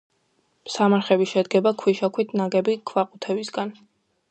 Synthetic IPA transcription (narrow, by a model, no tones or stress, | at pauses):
msamaɾχɛbiʃɛd̪ɡɛbakʰwiʃakʰwit̪ʰnaɡɛbikʰvaqʼut̪ʰɛvisɡan